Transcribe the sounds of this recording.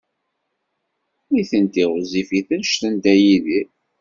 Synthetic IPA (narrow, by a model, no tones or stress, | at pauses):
iθənt̪iʁzifiθənʃθənd̪æjiði